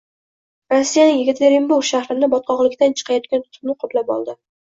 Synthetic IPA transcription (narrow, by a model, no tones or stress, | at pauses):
ɾosːijanɪŋjɪɡɪt̪leɾimbʊɡʃahɾɪnɪbɒt̪̚qʰɒʁlˠɪkʲt̪ant͡ʃʰɨ̥qʰɑjɒt̪̚kʲant̪ʰʊ̥t̪ʰʊ̥mnɪqʰʊplapɒ̰lˠd̪ɪ